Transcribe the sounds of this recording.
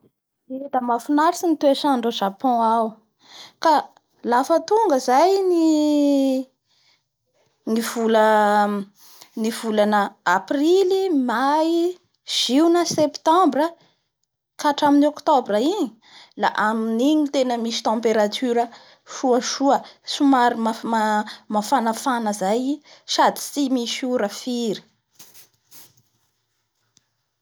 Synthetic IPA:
ed̪əmafunaɾisinit̪eʃaɳɖ͡ʐoʒapɔ̃aw | ka | lafət̪uŋɡəzajni | niv̥ulə | nivulanəaprilimaj | ʒ̥iwnəsept̪ɑ̃mbɾə | kaʈ͡ʂaminokt̪obɾaiɲi | la̰ʔaminiɲit̪enəmisi̥t̪ɑ̃mpeɾat̪ʰyɾə | ʃuəʃuəsumaɾimamamafanafanəzajʃad̪i̥simiʃuɾəfiɾi̥

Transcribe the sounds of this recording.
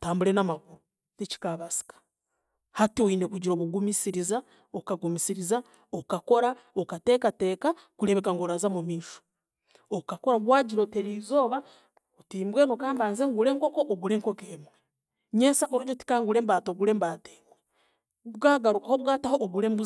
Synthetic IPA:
taːmbulɾe̞namaɡuɾu | tici̥kaβasi̥kḁ | hatioinekuɟiɾo̞ːβuɡumisiɾiza | okaɡumisiɾiza | okako̞ɾaokate̞ːkate̞ːka | kuɾe̞βe̞kaŋɡoɾazamumiːʃo̥ | okako̞ɾaβwaːɟiɾo̞teɾiːzo̞ːβa | otiːmbwenokaːmbaːnzeːŋɡuɾe̞ːŋko̞koʔoɡuɾe̞ŋkokeːmwe | ɲesaʔoɾuɟoti̥kaːŋɡuɾembaːtoɡulembaːteːmwe | βɡaːɡaɾukahoβɡaːtahoʔːɡuɾembuz

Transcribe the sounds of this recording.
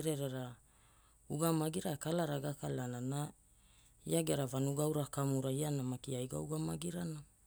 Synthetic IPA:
ɾeɾeɾa | uɡamaɡiɾaekalaɾaɡakalanana | ḭaɡeɾavanuɡawɾakamuɾaianamakiajɡa̰uɡamaɡiɾana

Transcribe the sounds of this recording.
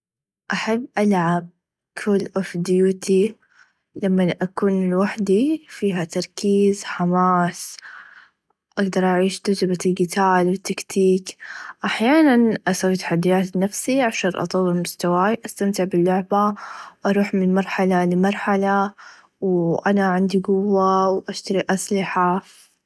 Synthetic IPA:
ʔaħabːʔalʕab̚ | kʰʊːlʔofd̪ɪjuːt̪ʰi | lamːanʔakuːnɪlwaħd̪ifiːɦat̪ɑɾˤkiːzħamaːs | ʔaɡd̪ɑɾˤʔaʕiːʃd̪ʊzbaɪlɡɪt̪aːlwɪt̪ːakt̪ʰiːkʔaħjaːnanʔasawːit̪ḁħad̪ːijaːt̪nafsiʕaʃaːnʔɑ̰t̪ˤɑwːɪlmʊst̪awaːjʔast̪amt̪ɪʕbɪlːʊʕbaʔɑɾˤuːħmɪnmɑɾˤħalalɪmɑɾˤħala | wʔanaʕɪnd̪iɡʊwːawʔaʃt̪aɾiʔaslɪħa

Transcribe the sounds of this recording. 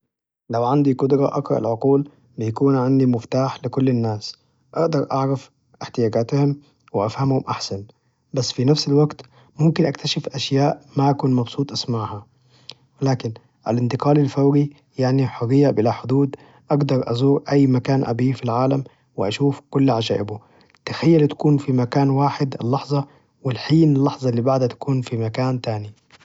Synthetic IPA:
lawʕand̪ikʊd̪ɾɑ̰ʔɑkɾˤɑ̰ʔɪ̰lʕʊquːl | bɪjakuːnʕand̪imʊft̪aːħlɪkʊlːɪnːaːs | ʔaɡd̪ɑɾˤʔɑʕɾaf | ʔɪħt̪ɪjaːɡaːt̪hʊm | wɪʔafhamhʊmʔaħsan | basːfinafsalwaɡt̪ | mʊmkɪnʔak̚t̪aʃɪfʔaʃjaːʔmaʔakuːnmɑbsˤuːt̪ˤʔasmaʕha | wɪlaːkɪn | ʔa̰lɪnt̪ɪqɑːlilfawɾi | jaʕniħɑðˤɪjːabɪlaħʊd̪uːd̪ | ʔaɡd̪ɑɾˤʔɑ̰zuːɾʔajːmakaːnʔa̰biːfilʕaːlam | wɪʔaʃuːfkʊlːʕad͡ʒaːʔɪbʊ | t̪axajːalt̪ḁkuːnfimakaːnwaːħɪd̪a̰lːɑħzˤɑ | wɪlħiːnɪlːɑħzˤɑlːiːbaʕd̪hat̪ḁkuːnfimakaːnt̪aːni

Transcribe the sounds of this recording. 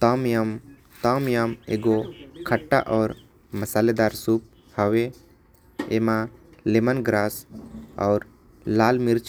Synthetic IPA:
t̪amjam | t̪ɔmjamḛɡɔkʰəʈːa̰ʔɔɾ | məsaled̪aɾsup̚ | hawe | ɛmalɛmənɡɾasɔ̰wɾ | lalmiɾt͡ʃ

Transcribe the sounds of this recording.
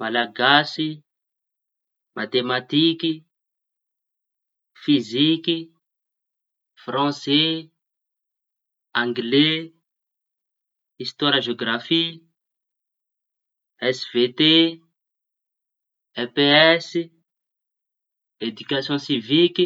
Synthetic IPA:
malaɡasi | mat̪emat̪iki | fiziki | frɑ̃se | ãŋɡle | ist̪waɾaʒeoɡrafi | ɛsvet̪e | ɛpeɛsi | ed̪ykasjɔ̃siviki

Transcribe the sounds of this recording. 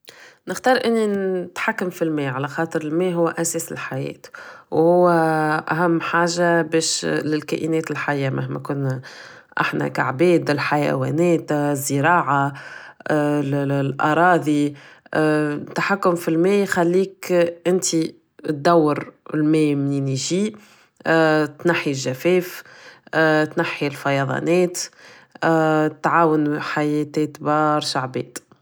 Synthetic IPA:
nɪxt̪ɑːɾˤʔɪnːinɪt̪ħakːʊmfilmɛːʕalæxɑːt̪ˤəɾɪlmɛːɦʊwːʔæsɛːsɪ̰lħajɛ̰ːt̪whʊwːʔæ̰ɦæmːħaːʒabɛːʃlɪlkæ̰ːʔinɛːt̪ɪlħajːamʔaɦmɛ̰kʊnː | ʔa̰ħnæ̰ka̰ʕbɛːd̪ɪlħajæ̰wɛ̰ːnɛːt̪zːəɾɑːʕa | llʔɑ̰ɾˤɑːðˤi | t̪ːaħakːʊmfilmɛːjxalːiːkʔɪnt̪i | t̪̚d̪æwːəɾlmɛːmniniʒiː | t̪naħːilʒæfɛːf | t̪naħːilfɑjɑðˤɑ̰nɛːt̪ | t̪ːʕaːwənħajɛːt̪ɛt̪bɑːɾˤʃaʕbɛ̰ːd̪

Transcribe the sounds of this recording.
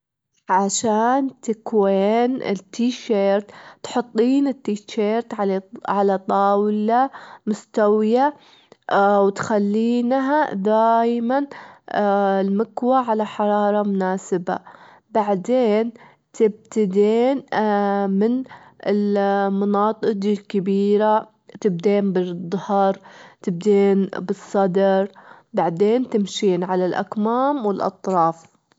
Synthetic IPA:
ʕaʃaːnt̪ɪkweːnɪ̰t̪ʰːiːʃeːɾt̪t̪ħʊt̪ˤːiːnɪt̪ːiːʃeːɾt̪ʕaʕalat̪ˤɑːwlamʊst̪awɪja | wɪt̪xalːiːnɦad̪aːjman | ɪlmɪkwaʕalaħɑɾˤɑːɾˤɑmʊnaːsɪba̰ | baʕd̪eːn | t̪ɪb̚t̪ɪd̪eːn | mɪnɪlmɑnɑːt̪ˤɨd̪ilkabiːɾa | t̪ɪb̚d̪eːnbɪd̪ˤːɑhɑɾˤt̪ɪb̚d̪eːnbɨsˤːɑd̪ɑɾˤ | baʕd̪eːnt̪ɪmʃiːnʕalalʔa̰kmaːmwɪlʔɑ̰t̪ˤɾˤɑːf

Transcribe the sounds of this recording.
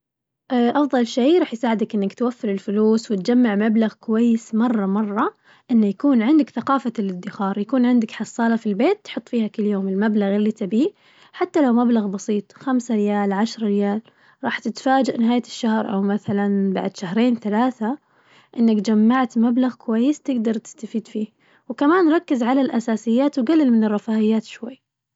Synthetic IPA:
ʔʔɑfðˤɑlʃeːɾˤɑːħjsaːʕɪd̪akʔɪnːakt̪wafːɪɾɪlfʊluːswɪt̪d͡ʒamːaʕmablaɣkʊwajːɪsmɑrˤːɑmɑrˤːɑ | ʔɪnːajakuːnʕɪnd̪ɪkθaqɑːfalɪd̪ːɪxɑːɾˤjakuːnʕɪnd̪aɪkħɑsˤːɑːlafilbeːt̪ːħʊt̪ˤːfiːhakɪlːjoːmɪlmablaɣɪlːit̪abiː | ħat̪ːalawmablaɣbɑsiːt̪ˤxamsaɾɪjaːlʕaʃɾˤɾɪjaːl | ɾˤɑːħt̪ɪt̪faːd͡ʒaʔnɪɦaːjaʃːahɾʔa̰wmaθalanba̰ʕd̪ʃahɾeːnθalaːθa | ʔɪnːakd͡ʒamːaʕt̪mablaɣkʊwajːɪst̪ɪɡd̪ɑɾˤt̪ɪ̥st̪afiːd̪fiː | wkamaːnɾˤɑkːɪzʕalalʔasaːsɪjːaːt̪wɡalːɪlmɪnɪrˤːɑfaːʔɪjːaːt̪ʃwajː

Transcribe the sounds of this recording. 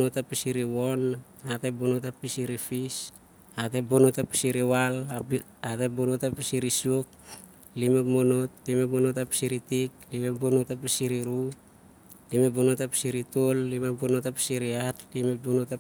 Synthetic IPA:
notapisiɾiwon | atebonotapisiɾifis | atebonotapi̥siɾiwala | atebonotapisiɾisiok̚ | limekmonotlimepmonotapi̥siɾitik̚limebonotapisiɾiɾu | limebonotapi̥siɾitolːimebonotapi̥siɾiatlimepbonota

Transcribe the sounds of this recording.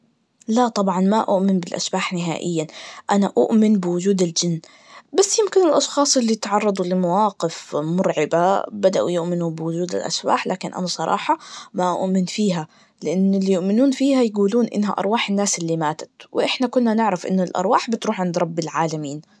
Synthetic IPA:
lat̪ˤɑbʕɑnmaʔʊ̰ʔmɪnbɪlʔa̰sbaːħnɪɦa̰ːʔɪ̰jːaʔanaʔʊ̰ʔmɪnbɪwʊd͡ʒuːd̪ɪld͡ʒɪnː | basːjɪmkɪnɪlʔɑʃxɑːsˤʔɪlːit̪ʕɑrˤːɑd̪ˤulɪmawɑːqɪfmʊɾʕɪbabad̪aʔṵjʊʔmɪnubɪwʊd͡ʒuːd̪ɪ̰lʔa̰sba̰ːħlaːkɪnʔa̰nasˤɑɾˤɑ̰ːħɑmaʔʊ̰ʔmɪnfiːɦa | lɪʔanːɪlːijʊʔmɪnuːnfiːhajaɡuːluːnʔɪ̰nːɦa̰ʔɑ̰ɾˤwaːħɪnːaːsɪlːimaːt̪ḁt̪wɪʔɪħnakʊnːanɪʕɾafʔɪ̰nːɪlʔɑ̰ɾˤwaːħbɪt̪ɾuːħʕɪnd̪ɾˤɑbːɪlʕaːlamiːn

